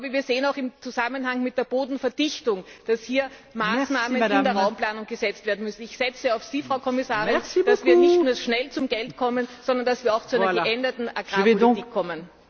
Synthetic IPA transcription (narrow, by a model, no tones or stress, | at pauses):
ʔabəviːɐzeːənaʊxɪmt͡suzamənhaŋmɪt̚d̥eːɐb̥oːdn̩fɛɐd̥ɪçtʊŋd̥ashiːɐmaːsnaːmənɪndəɐʁaʊmplaːnʊŋɡ̥əzɛt͡stv̥eːɐdn̩mʏsn̩ɪçsɛt͡səaʊfsiːfʁ̥aʊkʰɔmɪsaːʁɪnd̥asv̥iːɐnɪçtnuːɐʃnɛlt͡sʊmɡ̥ɛltkʰɔmənz̥ɔndɐnd̥asviːɐaʊxt͡suaɛnɐɡʔɛndɐtn̩aɡ̥ʁpolitiːkʰːɔmən